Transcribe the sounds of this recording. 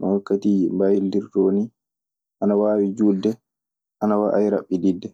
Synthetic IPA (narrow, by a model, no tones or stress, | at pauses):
nʔɔwakːatimbajildiɾd͡ʒoːni | ʔanawaːwid͡ʒuːdːɛ | ʔanawaʔajɾa̰ɓːididːɛ